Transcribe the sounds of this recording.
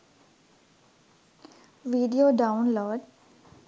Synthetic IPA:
ʋiːɖijoɖaʊnloːɖ

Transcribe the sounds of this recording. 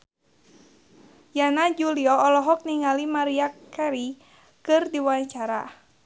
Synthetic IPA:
janad͡ʒuliɔːlɔɦɔk̚niŋalimaɾiakɛɾi | kɨrdiwaɲt͡ʃaɾa̰

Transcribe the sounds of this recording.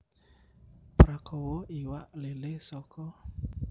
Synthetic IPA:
pɾakʰɔwɔiwaʔlelesɔkʰɔ

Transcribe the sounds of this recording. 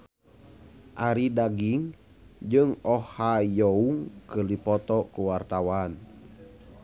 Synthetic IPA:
ʔaɾidaɡiŋ | d͡ʒɨŋɔhajɔuŋkərlipɔt̪ɔkuwart̪awan

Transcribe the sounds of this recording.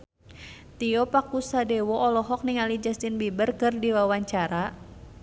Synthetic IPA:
t̪iɔpakusadɛwɔʔɔlɔɦɔk̚niŋalid͡ʒast̪inbibərkɨrdiwawaɲt͡ʃaɾa

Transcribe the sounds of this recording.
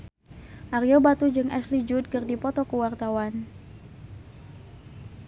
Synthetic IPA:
ʔaɾjobat̪ud͡ʒɨŋɛslid͡ʒud̚kɨrdipɔt̪ɔkəwart̪awan

